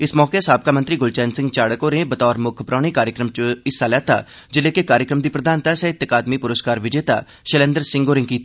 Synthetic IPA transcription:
ɪsmɔːkesaːb̚kaːmə̃nt̪ɾiːɡʊlt͡ʃɛːnsɪ̃ŋɡt͡ʃaːɽəkoːɾẽːbət̪ɔːɾmʊkʰpɾãːɽ̃ẽːkaːɾjəkɾəmt͡ʃəɪsːaːlɛːt̪a̰ː | d͡ʒɪleːkekaːɾjəkɾəmd̪iːpɾəd̪aːnt̪aːsɛːɪt̪əkaːd̪miːpʊɾəskaːɾʋɪd͡ʒeːt̪a̰ː | ʃəlẽːnd̪əɾsɪ̃ŋɡoːɾẽːkiːt̪a

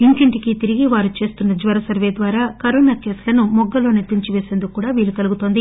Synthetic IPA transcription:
iŋkiɳʈikit̪iɾiɡiʋaːɾut͡ʃe̞ːst̪unːɐd͡ʒʋɐɾɐsɐɾʋeːd̪ʋaːɾaːkɐɾoːnaːkeːslɐnumɔɡːɐlo̞ːniɾt̪ːiɲt͡ʃiʋe̞ːse̞ːnd̪ukːkːuːɽaːʋiːlːukɐluɡut̪o̞ːnd̪i

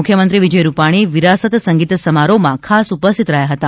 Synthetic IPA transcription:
ukʰjəmənt̪ɾiʋid͡ʒəjɾupaɽ̃iʋiɾasət̪səŋɡit̪səmaɾomãkʰasupəst̪ʰit̪ɾəɦjaɦət̪a

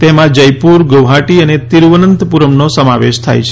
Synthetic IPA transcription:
t̪emãd͡ʒəjpuɾɡəʋɦaʈiənet̪iɾʋənənt̪əpuɾəmnosəmaʋeʃt̪ʰa̰jt͡ʃʰe

